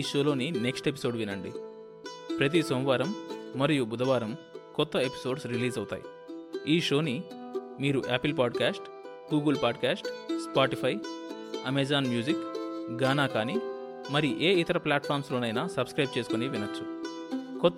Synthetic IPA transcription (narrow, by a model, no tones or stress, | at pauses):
ʃo̞ːlo̞ːnineksʈe̞p̬i̥so̞ːɖʋinɐɳɖḭ | pɾɐt̪̬isɐm̃ʋaːɾɐmːɐɾijubud̪ɐʋaːɾɐm | kɔt̪ːɐepi̥so̞ːɖsɾiliːzɐwut̪a̰ːjḭ | iːʂo̞ːni | miːɾuʔaːpilpaːɖkaːsʈ | ɡuːɡɐlpaːɖkaːsʈspaːʈipʰɐj | ɐmed͡ʒaːnmjuːd͡ʒikɡaːnaːkaːni | mɐɾiuʔe̞ːit̪ɐɾɐplaːʈpʰaːɾmslo̞ːnɐjnaːsɐbskɾɐjb̚t͡ʃe̞ːsukoniʋinɐt͡ʃːu̥ | kɔt̪ː